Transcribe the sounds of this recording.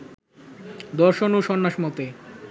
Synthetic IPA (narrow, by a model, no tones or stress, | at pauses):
d̪ɔɾʃonuʃɔnːaʃmɔt̪e